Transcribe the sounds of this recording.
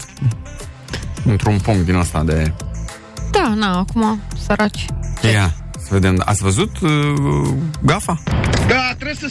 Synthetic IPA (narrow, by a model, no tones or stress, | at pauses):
ɨnt̪ɾunpuŋkt̪̚d̪inəst̪ad̪e̞ | d̪̥anaːkumasəɾat͡ʃʲjasəve̞d̪e̞ma̰t̪sʲvəzut̪ | ɡafad̪at̪ɾesə